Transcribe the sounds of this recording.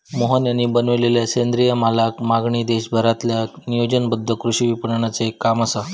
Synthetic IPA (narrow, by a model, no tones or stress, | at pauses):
moɦənjənibənʋleljasend̪ɾijəmalakmaɡɳiːd̪eɕbʱəɾat̪ljanijod͡ʑənbəd̪ʱːəkɾuɕiʋipəɳɳat͡sekamasə